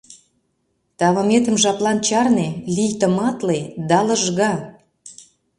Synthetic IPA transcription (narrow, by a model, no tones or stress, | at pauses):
t̪ɑβɤ̆met̪ə̆mʒɑplɑnt͡ɕɑrnelijt̪ə̆mɑt̪led̪ɑlə̆ʒɣɑ